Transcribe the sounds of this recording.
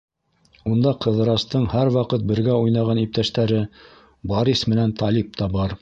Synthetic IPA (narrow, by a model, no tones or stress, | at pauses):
und̪ɑqɤ̆ðɤ̆ɾɑst̪ɤɴhæɾwɑqɤt̪̚bɘ̆ɾɡæujnɑʁɑnip̚t̪æʃt̪æɾɘ | boɾismɘ̆nænt̪ɑlip̚t̪ɑbɑɾ